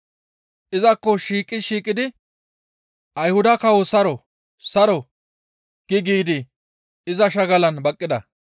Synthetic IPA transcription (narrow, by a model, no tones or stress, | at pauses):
ʔɪzɐkːɔʃiːkʼːɪʃiːkʼɪd̪ɪ | ʔɐjhʊd̪ɐkɐwɔsɐɾɔ | sɐɾɔ | ɡ̥ɪɡiːd̪ɪ | ɪzɐʃ̬ɐɡɐlɐnbɐkʼːɪd̪ɐ̰